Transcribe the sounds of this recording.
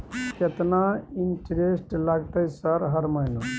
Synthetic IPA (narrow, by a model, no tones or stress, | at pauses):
ket̪nainʈɾesʈlaɡt̪əjsəɾɦəɾməno